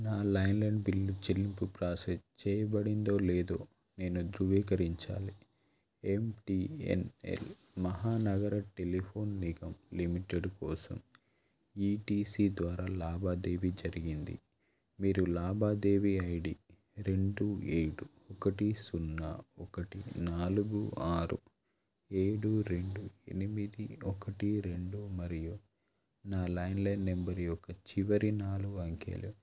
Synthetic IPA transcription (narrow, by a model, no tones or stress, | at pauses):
naːlɐjnlɐɳɖbilːut͡ʃilːimpupɾaːsest͡ʃɛːjɐbɐɽind̪o̞ːleːd̪o̞ː | ne̞ːnud̪ɾuʋiːkɐɾiɲt͡ʃa̰ːli | emʈiːḛnḛl | mɐɦaːnɐɡɐɾɐʈe̞lipʰoːnːiɡɐmlimiʈeɖkɔːsɐ̰m | iːʈiːsiːd̪ʋaːɾaːlaːbaːd̪eːʋid͡ʒɐɾiɡind̪ḭ | miːɾulaːbaːd̪e̞ːʋiɐjɖi | ɾe̞ɳɖueːɽu | ɔkɐʈisunːɐ̰ɔkɐʈinaːluɡuaːɾṵ | e̞ːɽuɾeɳɖue̞̰nimid̪iɔkɐʈiɾe̞ɳɖumɐɾiju | naːlɐjnlɐnːembɐɾiɔkɐt͡ʃiʋɐɾinaːluɡuɐŋkḛːlṵ